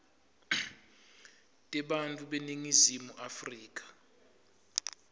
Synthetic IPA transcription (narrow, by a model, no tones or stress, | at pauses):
tʼɛɓantʼuɓeniŋizimuʔafriːk̬ʼḁ